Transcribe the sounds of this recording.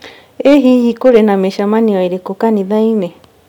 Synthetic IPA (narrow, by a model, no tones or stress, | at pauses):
eɦihikoɾenãmẽʃamãnĩajɾekokanĩðainẽ